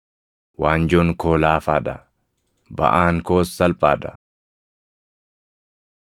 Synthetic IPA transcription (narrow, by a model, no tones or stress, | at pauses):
waːnd͡ʒoŋkoːlaːfaːᶑɐ̰ | bɐ̰ʔaːŋkoːsːɐlpʼaːᶑɐ̥